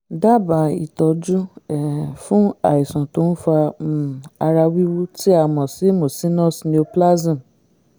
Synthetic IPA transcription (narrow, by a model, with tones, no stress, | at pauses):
da˦˨ba˨ḭ˨tɔ˧d͡ʒu˦ɛ˨fũ˦a˨i˨sɔ̃˨to˧˦n̩˦fa˧˨ | a˧ɾa˧wi˦wu˦ti˦a˦˧˨mɔ̃˨si˨˦mo˨sĩ˦nɔ̃˦˨snĩ˧o˧pla˦zĩ˦˨